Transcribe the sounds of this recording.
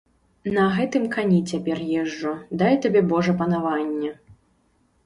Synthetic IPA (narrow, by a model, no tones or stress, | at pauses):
nɐɣɛt̪ɨmkanʲit͡sʲapʲɛrjɛʐːɔd̪ajt̪abʲɛbɔʐɐpɐnavanʲːɛ